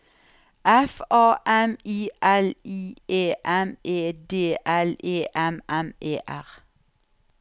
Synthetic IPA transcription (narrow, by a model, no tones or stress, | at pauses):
ʔɛfɑːʔɛmiːʔɛliːeːʔɛmeːd̪eːʔɛleːʔɛmɛmʔeːʔæʁ